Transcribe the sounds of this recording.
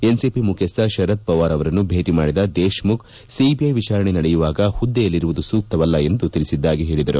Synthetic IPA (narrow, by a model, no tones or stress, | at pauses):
ensipimukʰest̪ɐʃɐɾɐt̪̚pɐʋaːɾɐʋɐɾɐnːubʱeːʈimaːɽid̪ɐd̪eːʃmuk | sibiɐjʋit͡ʃaːɾɐɳenɐɽɛjuʋaːɡɐhud̪ːejɐlːiɾuʋud̪usuːk̚t̪ɐʋɐlːɐe̞nd̪ut̪iɭisid̪ːaːɡiɦeːɭid̪ɐɾu